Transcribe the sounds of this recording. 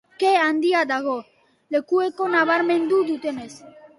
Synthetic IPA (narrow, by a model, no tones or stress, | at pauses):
keand̪iad̪aɣo | lekuekonaβaɾmẽnd̪ud̪ut̪enes